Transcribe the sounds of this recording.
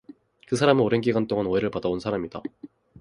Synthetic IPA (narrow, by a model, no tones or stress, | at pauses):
kɯsʰaɾamɯoɾɯnɡiɡwant͈oŋanwoeɾɯɭpadaonsʰaɾamid̥a̰